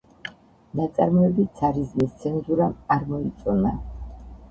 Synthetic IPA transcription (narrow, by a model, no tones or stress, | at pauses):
nat̪sʼa̰ɾmɔɛbit̪sʰaɾizmist̪sʰɛnzuɾamaɾmɔit̪sʼɔna